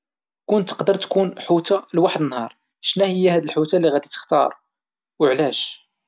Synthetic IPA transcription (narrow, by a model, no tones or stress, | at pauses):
kʊnt̪ːə̥qd̪əɾˤt̪kunħut̪alwaħəd̪ənːhɑɾˤ | ʃnæhəjːæhæd̪əlħut̪alːiɣæd̪it̪ə̥xt̪ɑ̰ɾˤ | wəʕlæʃ